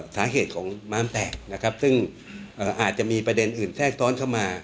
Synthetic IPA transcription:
saː˩˦ɦʰeː˨˩t̪̚kʰɔː˩˦ŋmaː˦˥mt̪ɛː˨˩k̚na˦˥kʰa˦˥p̚sɯ˥˩ŋ | ʔɤː˨˩ʔaː˨˩t̪̚t͡ɕa˨˩ʔmiː˧pɾa˧de˧nʔɯː˨˩nsɛː˥˩k̚t̪ʰɔː˦˥nkʰa˥˩wmaː˧

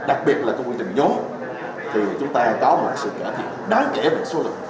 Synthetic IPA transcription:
ɗa˨˩k̚ɓi˨˩ət̚laː˨˩kɔ˧kwi˧ənt̪ɪ̈˨˩ŋ̟ɲo˨˦ | t̪ʰi˨˩t͡ɕʊ˨˦ŋ͡mt̪aː˧ka˨˦wmo˨˩t̚sɨ̰˧˨kə˧˩t̪ʰḭ˧˨nɗaː˨˦ŋke˧˩veː˨˩so˨˦lɨ̰˨˩k̚

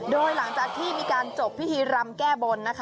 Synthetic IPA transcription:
doː˧jla˩˦ŋt͡ɕaː˨˩k̚t̪ʰiː˥˩miː˧kaː˧nt͡ɕo˨˩pʰːi˦˥t̪ʰiː˧ɾa˦˧mkɛː˥˩bo˧nːa˦˥kʰa˦

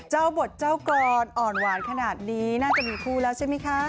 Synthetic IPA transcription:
t͡ɕa˥˩wbo˨˩t̪̚t͡ɕa˥˩wkɔː˧nʔɔː˨˩nwaː˩˦nkʰa˧naː˨˩t̪̚niː˦˥naː˥˩t͡ɕa˨˩miː˧kʰuː˥˩lɛː˦˥wt͡ɕʰa˥˩jma˦˥jkʰa˦˥

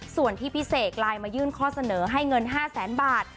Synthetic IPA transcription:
su˨˩ənt̪ʰiː˥˩pʰi˦˥seː˨˩k̚laː˧jmaː˧jɯː˥˩nkʰɔː˥˩sa˧nɤː˩˦ɦa˥˩jŋɤ˧nɦaː˥˩sɛː˩˦nbaː˨˩t̪̚

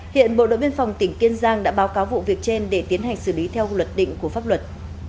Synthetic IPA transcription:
hḭ˧˨ənɓo̰˧˨ɗo̰˧˨vi˧ənfa˨˩wŋ͡mt̪ï˧˩ŋ̟ki˧ənzaː˧ŋɗa̰ː˧˥ɓaː˨˦wkaː˨˦wvṵ˧˨vi˨˩ək̚t͡ɕe˧nɗe˧˩t̪i˨˦ənɦa˨˩jŋ̟sɨ˧˩li˨˦t̪ʰɛ˧wlwə˨˩t̚ɗḭ̈˧˨ŋ̟ku˧˩əfaː˦˥p̚lwə˨˩t̚

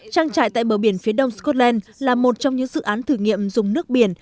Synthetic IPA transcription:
t͡ɕaː˧ŋt͡ɕa̰ː˧˨jt̪a̰ː˧˨ɓəː˧˩ɓi˧˩ənfi˨˦əɗə˧wŋ͡mskɔ˦˥t̚lɛ˧nlaː˨˩mo˨˩t̚t͡ɕɔ˧wŋ͡mɲɨ̰˧˥ŋzɨ̰˧˨ʔaː˨˦nt̪ʰɨ˧˩ŋḭ˧˨əmzʊ˨˩ŋ͡mnɨ˦˥ək̚ɓi˧˩ən

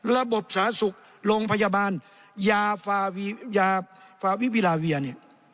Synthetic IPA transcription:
la˧bo˨˩p̚saː˨˦su˨˧˦k̚ | lo˧ŋpʰa˧jaː˧baː˧˨n | jaː˧faː˧i˧jaː˧faː˧wi˦wiː˧laː˨˧wi˧˩ɐni˧˩

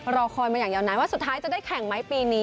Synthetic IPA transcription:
ɾɔː˧kʰɔː˧jmaː˧jaː˨˩ŋjaː˧wnaː˧˥nwaː˥˩su˨˩t̪̚ʰːaː˦˥jt͡ɕa˨˩da˥˩jkʰɛ˨˩˦ŋma˦˥jpiː˧niː˦˥

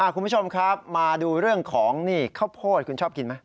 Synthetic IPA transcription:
ʔaː˧˩kʰu˧mpʰu˥˩t͡ɕʰo˧mkʰa˦˥p̚maː˧duː˧ɾɯ˥˩əŋkʰɔː˩˦ŋniː˥˩kʰa˥˩wpʰoː˥˩t̪̚kʰu˧nt͡ɕʰɔː˥˩pki˧nma˦˥j

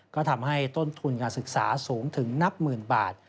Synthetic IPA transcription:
kɔː˥˩t̪ʰa˧mha˥˩jt̪o˥˩nt̪ʰu˧nkaː˧nsɯ˨˩k̚sa̰ː˩˦suː˩˦ŋt̪ʰɯ˩˦ŋna˦˥p̚mɯː˨˩nba̰ː˨˩t̪̚

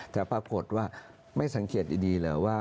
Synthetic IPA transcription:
t͡ɕ̪aː˨˩pɾaː˧ko˨˩t̪̚waː˥˩ | ma˥˩jsa˩˦ŋkʰe˨˩t̪̚diː˧diː˧lɤː˨˩˦waː˥˩

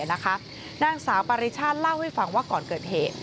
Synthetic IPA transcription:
ɐna˦˥kʰa˦˥ | naː˥˩ŋsaː˩˦wpa˧ɾi˦˥t͡ɕʰaː˥˩t̪̚la˥˩wha˥˩jfa˧ŋwaː˥˩kɔː˨˩nkɤː˨˩t̪̚heː˨˩t̪̚

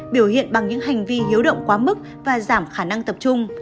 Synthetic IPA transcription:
ɓi˧˩əwhḭ˧˨ənɓa˨˩ŋɲɨ̰˧˥ŋɦa˨˩jŋ̟vi˧hi˨˦wɗə̰˧˨wŋ͡mkwaː˨˦mɨ˦˥k̚ | vaː˨˩zaː˧˩mxaː˧˩na˧ŋt̪ə˨˩p̚t͡ɕʊ˧ŋ͡m

